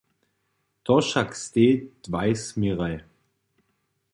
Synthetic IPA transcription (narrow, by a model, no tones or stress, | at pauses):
t̪ʰɔʃakst̪eːd̥vaɪsmiʁaj